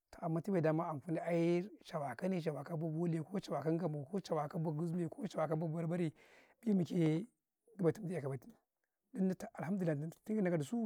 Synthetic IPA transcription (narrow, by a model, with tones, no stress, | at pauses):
to˨a˨mːa˦ti˦ba˨da˦ma˦a˨ŋ˨ku˦ni˦a˦ji˦ɾʃa˨wa˨ka˦ni˦ʃ̬a˨wa˨ka˦ba˦bo˦le˨ko˦t͡ʃa˨wa˨ka˦ŋɡa˨mu˨ko˦t͡ʃa˨wa˨ka˦ba˨ɡu˦ze˨ko˦t͡ʃa˨wa˨ka˦ba˦˨˦a˦ɾba˦ɾi˦˨ | bi˦mi˨ke˦ | ɡi˦ba˨ti˦mdi˦a˨ka˨ba˨ti˦ | da˦na˦ta˨a˨lha˦mdu˨la˨˦˨ti˦ɡi˦n˦ka˨du˨su˦